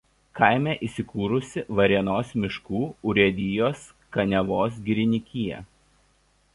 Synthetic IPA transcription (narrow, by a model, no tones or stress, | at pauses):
kɐˑɪmʲɛˑʔiːˑsʲɪkuːɾʊsʲɪʋɐɾʲiɛnoːsmʲɪʃkuːʊɾʲiɛd̪ʲɪjoːs | kɐnʲɛʋoːs̬ɡʲɪɾʲɪnʲɪkʲijɛ̰